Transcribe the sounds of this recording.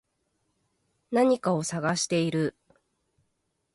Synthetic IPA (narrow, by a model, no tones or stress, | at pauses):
naɲ̟ikao̞saɡaɕi̥t̪e̞iɾɯ̟